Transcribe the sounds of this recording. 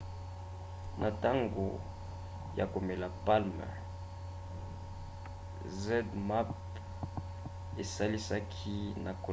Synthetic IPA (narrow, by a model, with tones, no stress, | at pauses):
nʔa˨ta˦ŋɡo̰˨ | ja̰˨ko˨me˨la˨pa˦lmɛ̰˨ | zɛ˦dma˦p | e˨sa˦li˦sa˦kʰi˦na˨ko˨